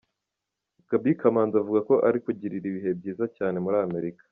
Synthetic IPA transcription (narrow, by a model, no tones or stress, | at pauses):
ɡ̥abikamaːnzavuɡako̞ʔaɾikuɟiɾiɾiβiɦe̞b̚ɟiːzacaːne̞muɾaːme̞ɾikḁ